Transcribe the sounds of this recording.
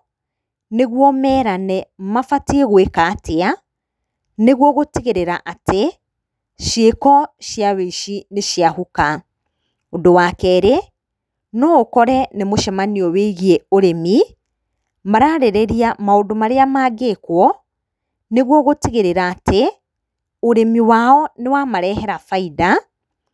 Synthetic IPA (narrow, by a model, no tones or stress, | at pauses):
neɣwɔmɛːɾanɛmafatieɣwekaːtea | neɣwɔɣotiɣeɾeɾaʔatʰe | ʃjekɔʃjaweiʃineʃjahuka | ondowakɛɾe | nɔokɔɾɛnemoʃɛmaniɔweɣieoɾemi | maɾaɾeɾeɾiamaondomaɾeamaːɡekwɔ | neɣwɔɣotiɣeɾeɾaːtʰe | oɾemiwaɔnewamaɾɛɦɛɾafaida